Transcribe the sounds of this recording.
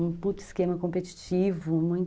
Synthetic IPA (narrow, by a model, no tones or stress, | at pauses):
ũput̪ʊi̥skẽmɐkõpet͡ʃi̥t͡ʃivʊmũj̃t̪